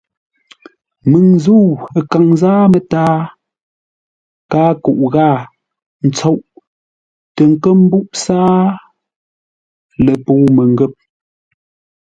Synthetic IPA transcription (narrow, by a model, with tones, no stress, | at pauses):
mɨ˨ŋzuː˦˨ə˨ka˨ŋzaː˦mə˨taː˦ | kaː˦ku˨ʔɣaː˦˨ | n̩˨t͡so˦ʔ | tə˨ŋ̩˨kə˦m̩˦bu˦ʔsaː˦ | lə˨poː˦˨mə˨ŋɡə˦˨p̚